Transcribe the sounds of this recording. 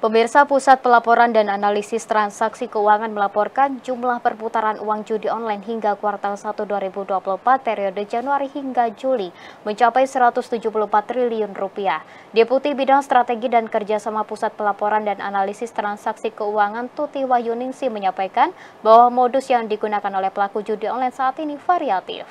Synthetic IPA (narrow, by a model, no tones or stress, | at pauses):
pəmirsapusat̪̚pəlapɔɾandananalisɪst̪ɾansaksikəuaŋanməlapɔrkand͡ʒumlahpərput̪aɾanʔuaŋd͡ʒudiɔnlajnɦiŋɡakuart̪asat̪uduaɾibuduapulumpat̪̚peɾiɔdəd͡ʒanuaɾihiŋɡad͡ʒuliməɲt͡ʃapajsəɾat̪ʊst̪ud͡ʒupulupat̪ːɾiliʊnrupia | diput̪ihbidaŋst̪ɾat̪eɡidankərd͡ʒasamapusat̪̚pəlapɔɾandanʔa̰nalisɪst̪əɾansaksikəuaŋant̪ut̪iwahjuniŋsiməɲapajkan | bawamɔdʊsjaŋdiɡunakanolɛhpəlakud͡ʒudiɔnlajnsaːt̪inifaɾiat̪ɪ̰f